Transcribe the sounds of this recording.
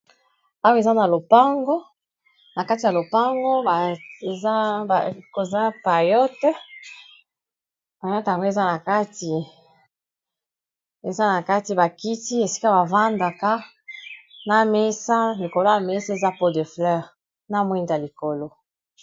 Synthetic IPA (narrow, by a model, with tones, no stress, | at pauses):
a˦wo˦e˨za˦na˨lo˨pa˦ŋɡo˦ | na˨ka˦ti˨ja˨lo˨pa˦ŋɡo˦˨za˦˨ko˨za˦pa˨jɔ˦tɛ˦ | ba˨ja˦ta˨ŋɡo˦e˨za˦na˨ka˦ti˨ | e˨za˦na˨ka˦ti˨ba˨ki˦ti˦e˨si̥˦ka˦ba˨va˦nda˨ka˦ | na˦me˦sa˦li˨ko˨lo˦ja˨me˦sa˦e˨za˦po˦de˨flɛ˦ʁ | na˦mwi˦nda˨li˨ko˨lo˦